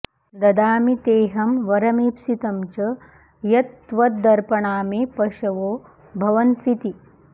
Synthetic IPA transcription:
d̪ɐd̪aːmit̪eːɦɐmʋɐɾɐmiːpsit̪ɐmt͡ʃɐ | jɐt̪ːʋɐt̪̚d̪ɐɾpɐɳaːmeːpɐʃɐʋoː | bʱɐʋɐnt̪ʋit̪i

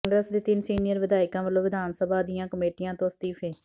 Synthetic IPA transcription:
ŋɡɾəsd̪eːt̪ɪnsiːnɪjəɾʋɪd̪aːɪkãːʋəlːõːʋɪd̪aːnsəbaːd̪ɪjãːkəmeːʈɪjãːt̪õːəst̪iːpʰeː

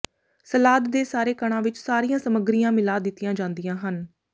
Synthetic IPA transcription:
səlaːd̪ːeːsaːɾeːkəɳ̃ãːʋɪt͡ʃsaːɾijãːsəməɡɾijãːmɪlaːd̪ɪt̪ːɪjãːd͡ʒãːnd̪ijãːɦən

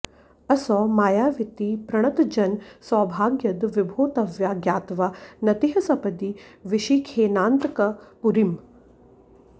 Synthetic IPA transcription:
ɐsɔːmaːjaːʋit̪iːpɾɐɽ̃ɐt̪d͡ʒɐnsɔːbʱaːɡjɐd̪ʋibʱoːt̪ɐʋjaːɡjaːt̪ʋanɐt̪iɦɐsɐpɐd̪iʋiʃikʰeːnaːnt̪kɐpuɾim

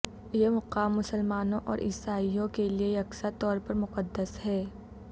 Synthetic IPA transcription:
jemʊqaːmːʊsəlmaːnõʔɔːɾʔɪ̰saːijõkelieɐksat̪ɔːɾpɐɾmʊqəd̪ːəshɛː

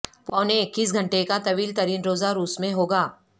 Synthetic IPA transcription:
pɔːnekːɪs̬ɡʱɐ̃ɳʈekat̪ɐʋiːlt̪ɐɾiːnɾoːzaɾuːsmẽɦoːɡaː

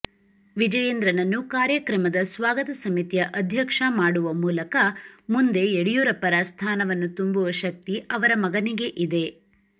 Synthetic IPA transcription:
ʋid͡ʒɐjend̪ɾɐnɐnːukaːɾjɐkɾɐmɐd̪ɐsʋaːɡɐt̪ɐsɐmit̪jɐʔɐd̪ʱjɐkʂɐmaːɽuʋɐmuːlɐkɐmund̪e̞ːɽijuːɾɐpːɐɾast̪ʰaːnɐʋɐnːut̪umbuʋɐʃɐk̚t̪iɐʋɐɾɐmɐɡɐniɡe̞ʔid̪e̞

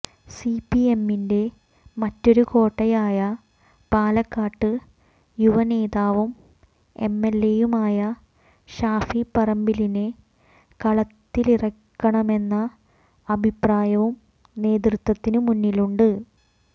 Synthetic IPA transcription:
sipie̞mːinde̞ | mɐtːo̞ɾuko̞ːʈːɐjaːjɐ | paːlɐkːaːʈːɨ | juʋɐne̞ːðaːʋum | e̞̰mːelːejumaːjɐ | ɕaːfipɐrɐmbiline | kɐɭɐt̪ːilirɐkːɐɳɐme̞nːɐː | bʱipraːjɐʋum | ne̞ːd̪rut̪wɐt̪ːinɨmunːiluɳɖɨ

